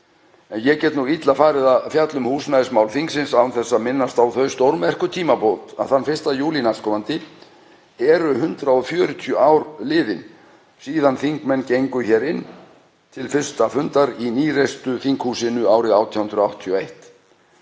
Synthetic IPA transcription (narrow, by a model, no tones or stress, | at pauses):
ɛnjɛcɛt̪nuit̪lafaːɾɪðaðfjat̪lʏmhuːsnaðɪsmaːwlθiŋksɪnsawnθɛsːamɪnːast̪awθœɥst̪owɾmɛr̥kʏt̪ʰiːmapɔːt̪a̰ðθanːfɪrst̪ajuːlinaskʰɔːmant̪ɪ | ɛɾʏɦʏnt̪ɾaɔfjœːɾʏt̪ʰiɔʔawɾlɪːðɪn | siːðanθiŋkmɛnːcejŋkʏçɛːɾɪnː | t̪ʰɪlfʏr̥st̪afʏnt̪aɾiniːrest̪ʏθiŋkhuːsɪnʏaːwɾɪɣawt̪ʰihʏnd̪ɾʏawht̪t̪ʰjɔejht̪